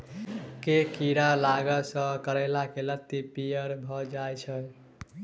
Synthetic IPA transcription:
kekiɾalaɡəsʌ̃kəɾelakelət̪ːipijəɾbʱɔd͡ʒajt͡ʃʰəj

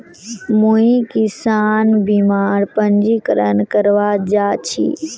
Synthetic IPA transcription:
mũĩkɪsaːnbiːmaːɾpə̃ɲd͡ʒikəɾənkəɾʋad͡ʒaːt͡ɕʰḭː

